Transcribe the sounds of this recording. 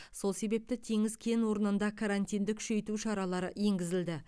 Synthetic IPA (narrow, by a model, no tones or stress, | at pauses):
so̞lˠse̞be̞p̚t̪ɪt̪ʰe̞ŋɪzkʲʰe̞nwo̞ɾənənd̪ɑkʰaɾanʲt̪ʲijnd̪ɪkʲʰʏ̥ʃe̞jt̪uʃɑɾɑlˠɑɾəje̞ŋɡʲɪzɪld̪ɪ